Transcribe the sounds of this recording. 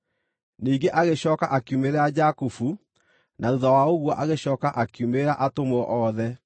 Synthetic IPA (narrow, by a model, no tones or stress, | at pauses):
niːɡeʔaɣeɕɔːkaʔakjumeɾɛad͡ʑakufu | nauðawaoɣwɔʔaɣeɕɔːkaʔakjumeɾaʔatomɔʔɔðɛ